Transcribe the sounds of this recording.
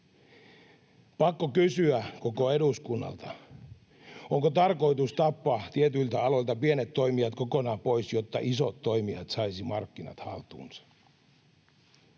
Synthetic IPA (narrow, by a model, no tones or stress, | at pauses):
pɑkːokysyækokoe̞duskunːɑ̰lt̪ɑ | ʔoŋkot̪ɑrko̞it̪ust̪ɑpːɑːt̪iet̪ylt̪æɑlo̞lt̪ɑpienet̪ːoimiɑt̪ko̞konɑːpoisjot̪ːɑ̰ʔisot̪ːo̞imiɑ̰t̪sɑisimɑrkːinɑ̰t̪hɑ̰lt̪ṵːnsɑ̥